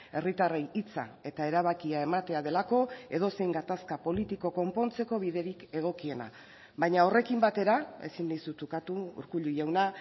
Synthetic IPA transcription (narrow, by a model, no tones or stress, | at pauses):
e̞rit̪arejit͡sa̰e̞t̪ae̞ɾaβ̞akiae̞mat̪e̞að̞e̞lako̞e̞ðo̞se̞jŋɡat̪askapo̞lit̪iko̞ko̞mpo̞nt͡se̞ko̞β̞iðe̞ɾike̞ɣ̞o̞kie̞na̰ | βajɲao̞re̞kimbat̪e̞ɾae̞̰sinːajsut̪ukat̪uṵɾkuʎujewna